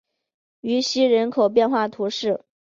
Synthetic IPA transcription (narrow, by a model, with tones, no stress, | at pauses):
y˧˥ɕi˥ɻə˧˥nkʰo˨˩ʊp̬jɛ˥˧nxwa˥˩t̪ʰu˧˥ʂɻ̩˥˩